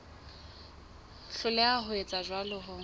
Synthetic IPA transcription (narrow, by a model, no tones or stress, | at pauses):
ɬʊlɛaɦʊet͡sʼad͡ʒwalʊɦʊ